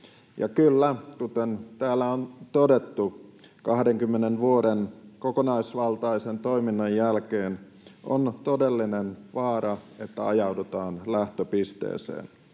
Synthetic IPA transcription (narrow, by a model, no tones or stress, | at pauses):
jɑ̰kylːæk̪ut̪ent̪æːlːæont̪odet̪ːukɑhdeŋkymːenenʋuodenkokonɑisʋɑlt̪ɑisent̪oiminːɑjjælkeːn | ʔo̰nt̪odelːinenʋɑːɾɑet̪ːæɑjɑudut̪ɑːnlæht̪øpist̪ḛːsḛːn